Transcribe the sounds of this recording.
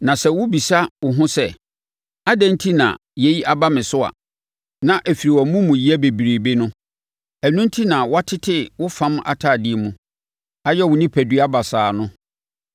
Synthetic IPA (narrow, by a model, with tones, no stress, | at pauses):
nã˨sɛ˦wʊ˦bi˨sa˦wʊ˨ɦʊ̃˦sɛ˦ | a˦dæ̃˦n˦tʰi˦nã̰˨ | jɛ˦ji˦ʔa˨ba˦mɪ̃˨sʊ˦a̰˨ | nã˨ʔe˨fi˨ɾi˨wɔ˨˦mũ˦mũ˨ji˦æ˦be˨bi˨ɾe˨be˦nʊ̃˦ | æ˨nũ˦n˦tʰi˦nã˨wa˦tʰɪ˦tʰɪ˦wʊ˦fã˦ma̰˨tʰaː˦˨dɪ˦˨mũ˨ | a˦jɛ˦wʊ˨nĩ˦pʰæ˨dɥa˦ba˨saː˨nʊ̃˦